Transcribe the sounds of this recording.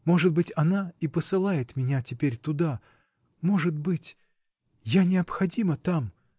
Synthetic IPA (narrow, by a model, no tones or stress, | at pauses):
mo̞ʐɨt̪̚bɨtʲɐnaipəsɨlˠajɪt̪mʲɪnʲatʲɪpʲeɾʲt̪ʊd̪a | mo̞ʐɨt̪̚bɨtʲ | janʲɪɐpxɐdʲimət̪am